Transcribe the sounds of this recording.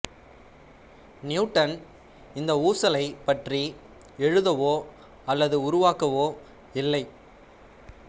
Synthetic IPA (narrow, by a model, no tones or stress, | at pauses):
njʊʈːɐn | ɪnd̪ɐuːsɐlɐɪpɐʈri | ɛɻɯðɐʋoː | ɐlːɐðɯʊɾʊʋaːkɐʋoː | ɪlːɐɪ